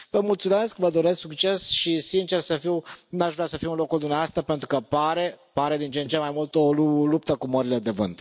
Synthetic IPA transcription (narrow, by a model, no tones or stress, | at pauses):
vəmult̪sume̞skvəd̪o̞ɾe̞sksukt͡ʃe̞sʃisint͡ʃe̞rsəfiwnaʃvɾasəfiunlo̞kuld̪umneaast̪apent̪ɾukəpaɾe̞paɾe̞d̪int͡ʃent͡ʃemajmult̪o̞lulup̚t̪əkuməɾile̞d̪e̞vɨ̰nt̪